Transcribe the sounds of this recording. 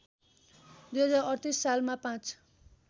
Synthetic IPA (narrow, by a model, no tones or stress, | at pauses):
d̪ujɦʌd͡zaɾʌrt̪isːalmapãt͡s